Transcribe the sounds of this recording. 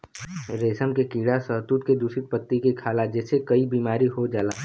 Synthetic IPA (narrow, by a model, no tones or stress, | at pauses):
ɾeːsəmkekiːɽasəɦt̪ut̪ked̪usɪt̪̚pət̪ːikekʰaːlad͡ʒɛːsekɐibiːmaːɾiɦod͡ʒaːlaː